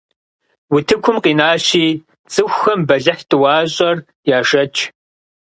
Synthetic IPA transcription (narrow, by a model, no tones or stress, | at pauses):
wʊtʰɨkʷʰʊmqiːnaːʃiː | t͡sʼɨxʷxɐmbɐɮɐħtʰʼɨwɑːɕʼɐr | jaːʂɐt͡ʃʼʰ